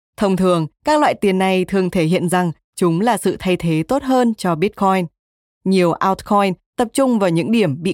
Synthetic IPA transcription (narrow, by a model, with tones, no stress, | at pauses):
t̪ʰə˧wŋ͡mt̪ʰɨ˨˩əŋkaː˦˥k̚lwa̰ː˧˨jt̪i˨˩ənːa˨˩jt̪ʰɨ˨˩əŋt̪ʰe˧˩ɦḭ˧˨ənza˨˩ŋ | t͡ɕʊ˨˦ŋ͡mlaː˨˩sɨ̰˧˨t̪ʰa˧jt̪ʰe˨˦t̪o˦˥t̚ɦəː˧nt͡ɕɔ˧ɓi˦˥t̚kʰɔ˧jn | ɲi˨˩əwʔaː˧wt̚kʰɔ˧jnt̪ə˨˩p̚t͡ɕʊ˧ŋ͡mvaː˨˩wɲɨ̰˧˥ŋɗi˧˩əmɓḭ˧˨